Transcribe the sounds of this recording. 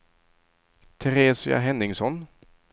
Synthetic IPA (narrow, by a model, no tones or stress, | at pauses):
t̪ʰɛɾeːsɪa̰ɦɛnːɪŋsɔn